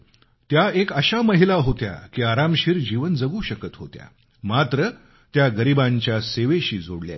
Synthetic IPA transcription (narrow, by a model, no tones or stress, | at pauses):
t̪jaekəɕaməɦilaɦot̪ja̰kiːaɾamɕiːɾd͡ʑiʋənd͡zəɡuːɕəkət̪ɦot̪ja̰ | mat̪ɾə | t̪jaɡəɾibãɲt͡ɕjaseʋeɕiːd͡zoɽlja̰